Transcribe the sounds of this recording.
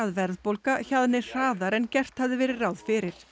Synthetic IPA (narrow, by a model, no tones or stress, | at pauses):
aðvɛɾðpowlkaçaðnɪr̥aːðaɾɛncɛr̥t̪havðɪvɛːɾɪrawðfɪɾɪɾ̥